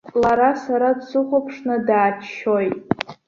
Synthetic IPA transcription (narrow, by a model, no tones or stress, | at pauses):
laɾasaɾadsɨχʷapʰʂnɨdaːt͡ʃʃojtʼ